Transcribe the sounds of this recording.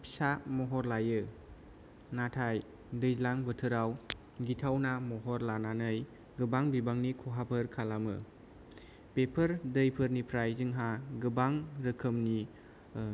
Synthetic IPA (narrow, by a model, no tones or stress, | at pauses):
pʰi̥samɔɦɔɾlajɯ | natʰaj | dɯjzlaŋbətʰɯɾaw | ɡitʰawnamɔɦɔɾlananɯj | ɡɯbaŋbibaŋnikʰɔɦapʰɯɾkʰalamɯ̰ | pepʰəɾdɯjpʰɯɾnipʰɾajzɯŋɦaɡɯbaŋɾɯkʰɯmni